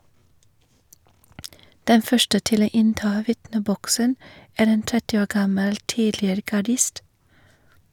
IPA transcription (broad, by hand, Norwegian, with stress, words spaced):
ˈdɛn ˈfœʃʈə ˈtɪl ˈoː ˈɪnˌtɑː ˈʋɪtnəˌbɔksən ˈæːɾ ˈeːn ˈtɛtɪ ˈoː ˈɡɑməl ˈtiːdlɪəɾə ɡɑˈɖɪst